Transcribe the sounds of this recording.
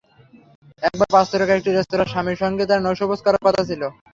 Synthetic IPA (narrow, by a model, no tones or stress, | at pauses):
ɛk̚baɾpast̪ʰoɾekaɾek̚ʈiɾest̪oɾaɾʃamiɾʃɔŋɡet̪aɾnɔwʃoboskɔɾaɾkɔt̪ʰat͡ɕʰilo